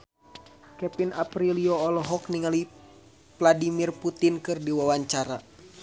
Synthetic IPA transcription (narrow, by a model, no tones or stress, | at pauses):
kɛpinapɾiliɔːlɔɦɔkniŋali | pladimirput̪inkɨrdiwawaɲt͡ʃaɾa